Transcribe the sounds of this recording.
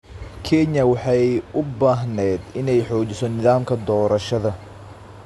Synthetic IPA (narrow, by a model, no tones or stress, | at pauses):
kʰɛnɐwɑħɑjʔʊbaːɦnɛːd̪ɪnɛjħɔːt͡ʃɪsɔnɪðaːmkʰɐd̪ɔːɾɐʃɐðɐ